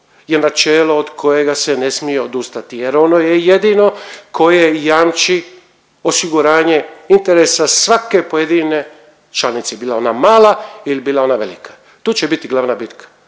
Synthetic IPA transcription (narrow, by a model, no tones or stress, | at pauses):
jenat͡ʃeːloːd̪kʰo̞je̞ɡase̞ne̞smijeod̪ust̪at̪ije̞ɾo̞no̞jejed̪ino̞kʰo̞je̞jamt͡ʃi | o̞siɡuɾaːɲe̞int̪e̞ɾesasʋake̞po̞je̞d̪ine̞ | t͡ʃlanit̪sebiːlˠao̞namaːlailibiːlˠao̞naʋe̞̰likḁ | t̪uːt͡ɕebit̪iɡlˠaʋnabit̪kʰḁ